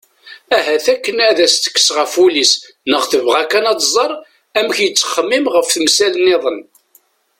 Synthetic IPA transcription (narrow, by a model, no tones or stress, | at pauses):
æɦæθækːənæðæst̪ə̥kːə̥sʁəfulis | nəχθəvʁækːænɑt̪ˤzˤɑɾˤ | æmçjət͡sːə̥χəmːimʁəfθəmsæləneðˤən